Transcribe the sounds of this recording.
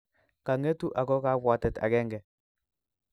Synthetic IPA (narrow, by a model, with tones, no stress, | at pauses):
ka˨ŋe˦tu˦ʔa˨kɔ˦ka˦βwa˨tɛ˨ta̰˨kɛ˦ŋɡɛ˨